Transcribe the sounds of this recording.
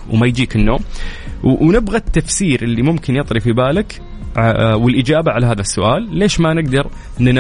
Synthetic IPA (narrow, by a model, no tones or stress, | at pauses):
wmajd͡ʒiːkɪnːo̰ːm | wnɪbɣat̪ːafsiːɾʔɪlːimʊmkɪnjɑt̪ˤɾifibaːlɪk | wɪlʔɪd͡ʒaːbaʕalaɦaːðasːʊʔaːlːeːʃmanɪɡd̪ɑɾˤ | nna